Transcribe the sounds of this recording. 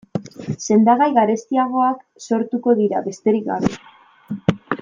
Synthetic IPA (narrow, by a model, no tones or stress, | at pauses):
se̞nd̪aɣajɣaɾe̞st̪iaɣ̞o̞ak | so̞ɾt̪uko̞ðiɾa̰βe̞st̪e̞ɾikɣa̰βḛ